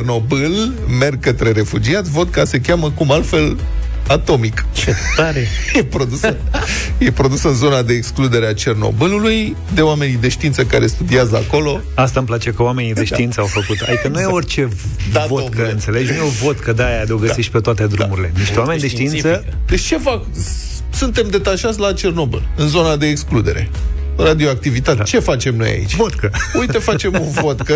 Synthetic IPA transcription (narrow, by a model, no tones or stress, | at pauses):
rno̞bɨlme̞rɡ̚kːət̪ɾe̞ɾe̞fud͡ʒiat̪sʲvo̞t̪̚kase̞kʲaməkumalt̪fe̞l | at̪o̞mikt͡ʃet̪aɾejepɾo̞d̪usəjepɾo̞d̪usɨnzo̞nad̪e̞ːksklud̪e̞ɾeat͡ʃe̞rno̞̰bɨluluj | d̪e̞oame̞nid̪e̞ʃt̪int̪səkaɾe̞st̪ud̪iazəa̰ko̞lo̞ | ast̪amplat͡ʃe̞kəoame̞nid̪e̞ʃt̪iint̪səawfəkut̪a̰d̪ikənujeorʲt͡ʃe̞ | avot̪kəɨnt̪se̞led͡ʒnujeovo̞t̪kəd̪ajad̪eoɡəsiʃt̪̚ʲpe̞t̪oat̪e̞d̪ɾumuɾile̞niʃt̪ewame̞nid̪eʃt̪iintsə | d̪et͡ʃt͡ʃe̞fak | sunt̪e̞md̪e̞t̪aʃat̪sʲlat͡ʃe̞rno̞bɨ̰lɨnzo̞nad̪e̞ːksklud̪e̞̰ɾe̞̰ | rad̪io̞ak̚t̪ivit̪at̪t͡ʃe̞fat͡ʃe̞mno̞̰ja̰ḭt͡ʃʲot̪kəujt̪efat͡ʃe̞munvo̞t̪kə